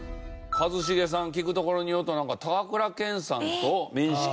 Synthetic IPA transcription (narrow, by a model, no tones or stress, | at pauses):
kazɨɕ̬iɡe̞s̬ãŋkʲikɯ̟t̪o̞ko̞ɾo̞ɲ̟ijoɯt̪onãŋkat̪aɡakɯ̟ɾakẽ̞ɰ̃sãnt̪omʲĩɰ̃ɕi̥k